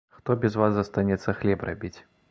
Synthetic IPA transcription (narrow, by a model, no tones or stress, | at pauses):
xt̪ɔbʲɛzvazzɐst̪anʲɛt̪sɐxlʲɛpra̰bʲit͡sʲ